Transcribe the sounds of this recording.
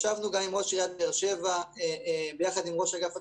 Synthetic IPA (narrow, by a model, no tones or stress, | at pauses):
ʃavnuɡamimʁo̞ʃijad̪̚aeʁʃe̞va | bejaχad̪imʁo̞ʃaɡafa